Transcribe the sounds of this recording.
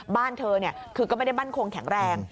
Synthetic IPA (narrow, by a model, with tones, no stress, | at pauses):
baː˥˩nt̪ʰɤː˧ni˥˩ɐkʰɯː˧kɔ˥˩ma˥˩a˥˩maː˥˩nkʰo˧ŋkʰɛ˩˦ŋɾɛː˧ŋ